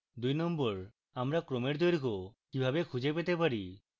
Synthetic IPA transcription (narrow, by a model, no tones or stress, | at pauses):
d̪ujnɔmbɔɾ | amɾakɾomeɾd̪ɔjɾikɔkibʱabekʰud͡ʒepet̪epaɾi